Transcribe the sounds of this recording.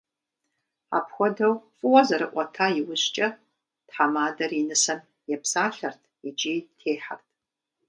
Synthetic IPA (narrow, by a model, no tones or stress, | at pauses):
a̰pʰxʷɔdɐwfʼɨwɐzɐɾɨʔʷʼɔtʰaːjɪwʊɕt͡ʃʼɐ | tħamaːdɐrinɨsɐn | jɛpʰsaːɬɐrtʰid͡ʒiːtʰeːħa̰rtʰ